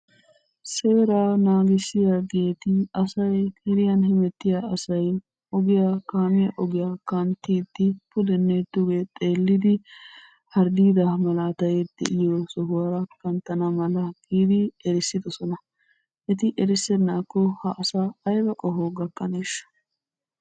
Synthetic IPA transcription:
se̞ːɾaːnaːɡɪsːɪjɐɡeːt̪ɪɐsɐjkɛɾɪjɐnhɛmɛt̪ːɪjaɐsɐj | ʔɔɡɪjakaːmɪjɐʔɔɡɪjakɐnt̪ːiːt̪ːɪpʊd̪ɛnːeːt̪ːʊɡeːt̪ʼeːlːɪd̪ɪ | hɐɾd̪iːd̪ɐmɐlaːt̪ɐjɛd̪̥ɛ̰ʔɪjɔsɔɦʊwɐɾɐkɐnt̪ːɐnɐmɐlɐɡ̥iːd̪ɪɛɾɪsːɪd̪ɔsɔnɐ | ʔɛt̪ɪʔɛɾɪsːɛnːaːkːɔhɐʔːsaɐjbɐkʼɔɦoɡɐkʼːɐneːʃɐ̥

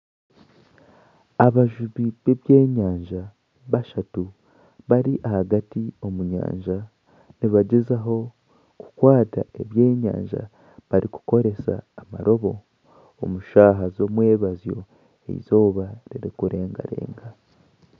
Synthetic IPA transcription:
aβaʒuβiβeβje̞ːɲaːɲʒa | βaʃatu | βaɾiʔahaɡatio̞muɲa̰ːɲʒa | niβaɟezaɦo̞ | ku̥kwaːta̰ʔe̞βje̞ːɲa̰ːɲʒa̰ | βaɾiku̥ko̞ɾe̞sa̰ːma̰ɾʔo̞βo̞ː | muʃaːɦazo̞mwe̞ːβazjo̞̰ | ḛḭzo̞ːβaɾiɾikuɾe̞ːŋɡa̰ɾe̞̰ːŋɡa

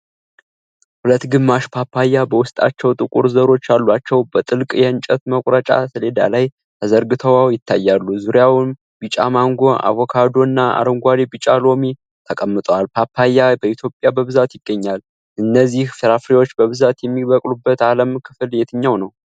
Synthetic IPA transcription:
hulət̪ːɡɨmːaʃpʰapʰːajːabəwʊst̪ʼa̰t͡ʃːɛwt̪ʼɨkʼṵɾzəɾo̞t͡ʃːjalːuat͡ʃːɛwbət̪ʼɨlkʼjɛɨnt͡ʃʼət̪məkʷʼɾət͡ʃʼa̰sʰəle̞d̪a̰laj | t̪ʰəzəɾɡɨt̪ʰəwawjɪt̪ʰːajːalːuzuɾjawm | b̥it͡ʃʼamaŋɡoʔa̰vo̞kʰad̪o̞ɨnːaa̰ɾəŋɡʷad̪ebit͡ʃʼalo̞me | t̪ʰəkʼəmːɨt̪ʼwalpʰapʰːajːabəit̪ʰjo̞pʼjabəβɨzat̪jɪɡːəɲːal | ʔɨnːəzːihfəɾafɾewo̞t͡ʃːbəβɨzat̪jɛmːiβəkʼlubːət̪aləmkʰɨ̥fljɛt̪ʰɨɲːawnəw

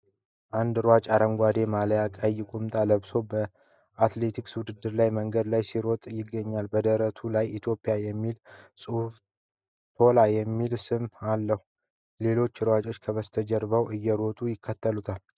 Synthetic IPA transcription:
ʔand̪ɾwat͡ʃʼaɾəŋɡʷad̪e̞maljakʼajːɪkʷʼumt̪ʼaləβso̞bə | at̪le̞t̪ʰikswʊd̪ɨd̪ːɨɾlajməŋɡəd̪lajsiɾɔt̪ʼjɪɡːəɲːalbəd̪əɾət̪ʰulajit̪ʰjo̞pʼːɪjajɛmːilsʼɨhf | t̪ʰo̞lajɛmːilsɨmalːəhu | le̞lo̞t͡ʃːɾwat͡ʃʼo̞t͡ʃːkʰəβəst̪ʰəd͡ʒɛɾbəwɨjːɛɾo̞t̪ʼujɪkːət̪ːəlut̪ʰal

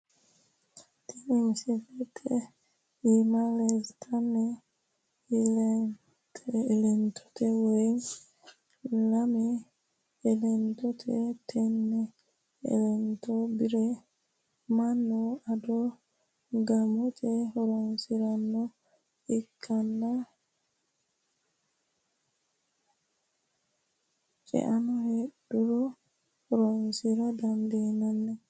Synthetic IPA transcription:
tʰinimsidɛtʰɛ | imalɛztʰanɛ | l | lɛntʰɔ̥tɛwe | lamɛː | lɛntɔtʰɛtʰɛnːɛ | ɛ̰lɛntɔbiɾɛ | manːɔadɔ | ɡamɔt͡ʃɛɾɔnsiɾanːɔ | ʔikʰːanːa | t͡ʃʼɛ̰ʔanɔheɗːuɾɔ | ɾɔnsiɾadandinanːɛ

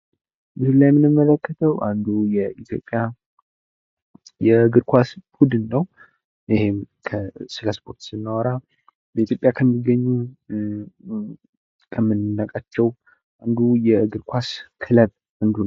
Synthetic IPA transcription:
bɨzɨlːajɛmːɨnɨmːələkːət̪ʰəwʔand̪ujɛit̪ʰjo̞̰pʼːja | jɛɡɨɾkʷwasbud̪ɨnːəw | ɪhem | kʰəsɨləspʰʼoɾt̪sɨnːəwɔɾa | bəit̪jo̞pʼjakʰəmːiɡəɲːu | kʰəmːɨnːɨnːakʼat͡ʃːɛw | ʔand̪ujɛɡɨɾkʷʰaskʰɨləβ | and̪u

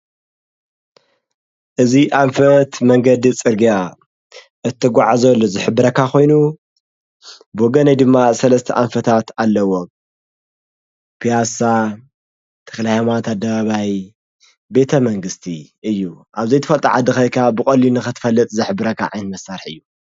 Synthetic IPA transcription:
ʔɨziʔaɱfɐt̪mɐŋɡɐd̪it͡sʼɨɾɡija | ʔɨt̪ʰːɐɡʷaʕazɐlːozɨħɨbːɨɾɐkːakʰo̞jnu | boɡɐnɐjd̪ɨmːasɐlɐst̪ʰɐʔaɱfɐt̪ʰat̪ʰalːɐwo | pʰijasa | t̪ʰɐ̥xlahamat̪ʰad̪ːɐβaβaj | be̞t̪ʰɐmɐŋɡɨst̪ʰiʔɨjːuʔaβzejt̪ʰɨfɐlt̪ʼaʕad̪ɨxɐjkʰabɨkʼɐlinɨxɨt̪ʰɨ̥fɐlːɨt̪ʼzɨħbɨɾɐkːa̰ʕajnmɐsːaɾħɨjːu

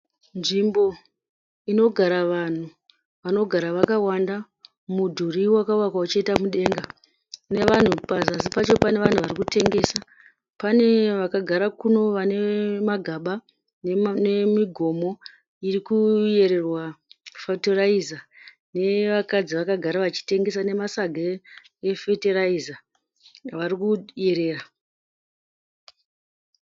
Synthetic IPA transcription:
nʐimbo̞ | ino̞ɡʱaɾaʋan̤u | ʋano̞ɡʱaɾaʋakawanda | mudʱuriwakauwakwaut͡ʃaitamuɗe̞ŋɡa | ne̞ʋan̤upasaːsipat͡ʃo̞pane̞ʋan̤uʋarikute̞ŋɡe̞sa | pane̞ʋakaɡʱaɾakuno̞ʋane̞maɡʱaɓa | nnemiɡʱo̞mo̞ | irikuje̞ɾe̞rwafatoraiza | ne̞ʋakad͡ziʋakaɡʱaɾaʋat͡ʃi̥te̞ŋɡe̞sane̞masaɡʱa | efeteɾaiza | ʋaɾikuje̞ɾe̞ːra

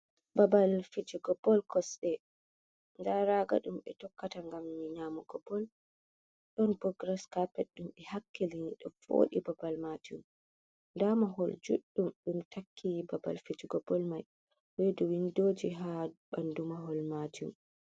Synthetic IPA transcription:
babalfid͡ʒiɡɔbɔlkɔsɛ | ndaɾaɡa̰ɗumɓɛtɔkːataŋɡamniɲaːmɔɡ̥ɔbɔl | ɗɔnpɾɔɡɾɛskapɛɗumɛhakːiliiɗɔfo̰ːɗibabalmatum | ndamaɦɔld͡ʒṵɗːumɗumtʰakʰːibaba̰lfid͡ʒiɡɔbɔlmaj | weduwindoːd͡ʒiɦabandumaɦɔlmaːtṵm

